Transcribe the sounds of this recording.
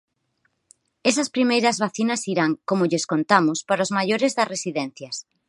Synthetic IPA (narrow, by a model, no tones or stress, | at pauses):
esɐspɾimejɾɐzβaθinɐsiɾaŋkomʊʎeskont̪amʊspaɾozmajoɾezðɐsresiðɛn̟θjɐs